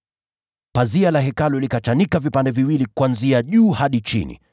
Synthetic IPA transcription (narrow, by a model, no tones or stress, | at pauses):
pazialaɦɛkalɔlikat͡ʃanikavipandɛviwilikwanziaʄuːhaɗit͡ʃḭnḭ